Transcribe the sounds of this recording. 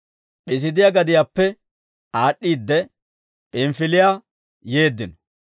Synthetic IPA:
ʔɪs̬ɪd̪ɪjaɡɐd̪ɪjapːɛ | aːɗːiːd̪ːɛ | pɪmfɪlɪja | je̞ːd̪ːɪnɔ

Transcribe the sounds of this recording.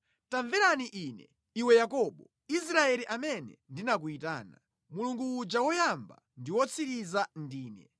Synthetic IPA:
taɱvɛɾaniʔiːnɛ | iwɛjakɔɓɔ | is̬ɾaɛliʔamɛnɛ̰ndinak̬uita̰ːna̰ | muluŋɡuːd͡ʒawɔjamba̰ | ndiwɔt͡sʰiɾizandiːnɛ

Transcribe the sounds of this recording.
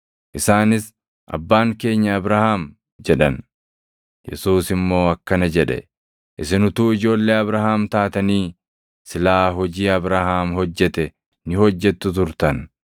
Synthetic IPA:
ʔɪsaːnɪs | ʔɐ̰bːaːŋke̞ːɲːɐːbɾahaːm | d͡ʒɛᶑɐ̰n | jɛ̰suːsɪmːo̞ːɐkːɐnɐd͡ʒɛᶑɛ̰ | ʔɪsɪnʊt̪uːɪd͡ʒo̞ːlːe̞ːɐbɾahaːmt̪aːt̪ɐniː | sɪlaːɦɔd͡ʒiːɐbɾaːhaːmhɔd͡ʒːɛt̪ɛ | nɪhɔd͡ʒːɛt̪ːʊt̪ʊɾt̪ɐn

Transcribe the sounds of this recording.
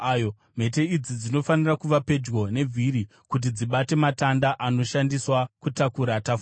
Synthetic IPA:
jo | m̤e̞t̬e̞id͡zid͡zino̞fanirakuʋape̞d͡ʒɡo̞ne̞vʱiɾi | kut̬id͡ziɓate̞matandaʔano̞ʃandiswakutakuɾatafu

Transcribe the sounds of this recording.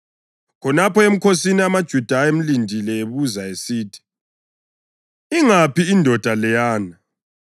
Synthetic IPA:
kʰɔnapɔem̩kʰosiniamad̥ʒ̥ʱud̥ʱaem̩lindʱilɛeβuzaesiːtʰi̥ | iŋapiːndʱɔd̥ʱalɛjaːna

